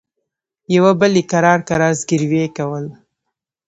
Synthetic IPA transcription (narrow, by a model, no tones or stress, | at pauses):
jawabəlikaɾɑɾkaɾɑzɡɪɾwekawəl